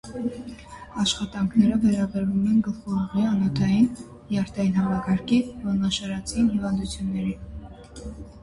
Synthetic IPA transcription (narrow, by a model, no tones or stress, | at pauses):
ɑʃχɑt̪ɑŋkʰnɛɾəvɛɾɑbɛɾvumɛnɡəlχɔʁɔʁiɑnɔt̪ʰɑjin | jɑɾt̪ʰɑjinhɑmɑkɑɾkʰivɔnɑʃɑɾɑt͡sʰinhivɑnd̪ut͡sʰjunːɛɾi